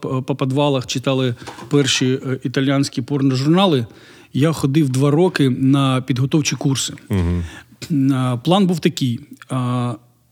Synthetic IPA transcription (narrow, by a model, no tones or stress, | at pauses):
pɐpɐd̪ʋɑlˠɐxt͡ʃɪt̪ɑlˠɪpɛrʃiit̪ɐlʲjanʲsʲkʲipɔrnɐʒʊrnɑlˠɪ | jaxɔd̪ɪwd̪ʋɑɾɔkɪnɐpʲid̪ɦɔt̪ɔwt͡ʃʲikursɪ | plˠɑnbuwt̪ɐkʲɪj